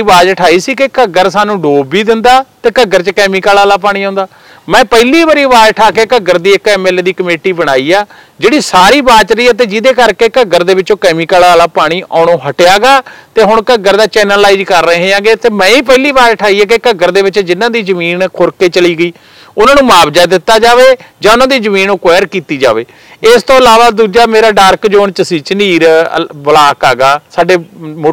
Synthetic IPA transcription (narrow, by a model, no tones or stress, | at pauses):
ʋaːd͡ʒʈʰaːiːsiːkɪkəɡəɾsaːnũːɖoːbiːd̪ɪnd̪aːt̪eːkəɡəɾt͡ʃkɛːmikaːlaːlaːp̬aːɽ̃iːãʊːnd̪aː | mɛ̃ːpəliːʋəɾiːʋaːd͡ʒʈʰaːkeːkəɡəɾd̪iːɪkɛːmɛːleːd̪iːkəmeːʈiːbəɽ̃aːiːaː | d͡ʒeːɽiːsaːɾiːbaːt͡ʃɾəiːɛːt̪̬eːd͡ʒɪd̪eːkəɾkeːkəɡəɾd̪eːʋɪt͡ʃõːkɛːmiːkəːlaːlaːpaːɽ̃iːʔa̰ːñõːɦəʈejaːɡaːt̪eːɦʊɳkəɡəɾd̪aːt͡ʃɛːnəlaːid͡ʒkəɾːəɦẽːãːɡeːt̪eːmɛ̃ːĩːp̬ɛːliːbaːɾʈʰaːiːɛːk̬ekəɡəɾd̪eːʋɪt͡ʃd͡ʒɪnːãːd̪iːzəmiːnkʰʊɾkeːt͡ʃəliːɡəiː | ʊnãːnũːmaːbd͡ʒaːd̪ɪt̪ːaːd͡ʒaːʋeːd͡ʒãːʊnãːd̪iːzəmĩːnoːkʋɛːɾkiːt̪iːd͡ʒa̰ːʋḛː | ɪst̪õːəlaːʋaːd̪uːd͡ʒaːmeːɾaːɖaːɾkd͡ʒoːɳt͡ʃəsiːt͡ʃəniːɾbəlaːkaːɡaːsaːɖeːmo